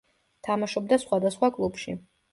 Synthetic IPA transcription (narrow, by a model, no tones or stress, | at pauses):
t̪ʰamaʃɔb̚d̪asχwad̪asχwakʼlˠupʃḭ